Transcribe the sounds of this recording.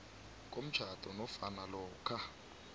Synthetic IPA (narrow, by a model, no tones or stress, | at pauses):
k̬ʼom̩t͡ʃʰatʼɔnɔfanalɔːkʰa